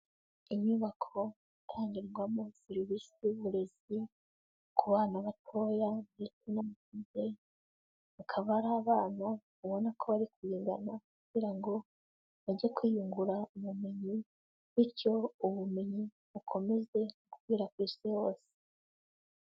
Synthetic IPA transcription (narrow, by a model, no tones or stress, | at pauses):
iɲuβakʰo̞ | itʰaːɲɟiɾɡwamusiɾiβisiβuɾe̞zi | kʰuβaːnaβatʰo̞jaitinamatize̞ | βakʰaβaɾaːβaːnaβuβo̞nakʰo̞βaɾikujiːnda̰nakuɟ̥iɾaŋɡo̞ | βaɟiekwijuŋɡuɾaumumeɲi | βiɾco̞uβumeɲi | βukʰo̞me̞ze̞kukwiːɾakwisiho̞ːse̥